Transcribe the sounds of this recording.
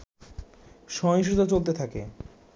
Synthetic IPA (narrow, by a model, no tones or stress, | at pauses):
ʃɔŋʃ̬ɾut̪ot͡ɕolt̪et̪ʰake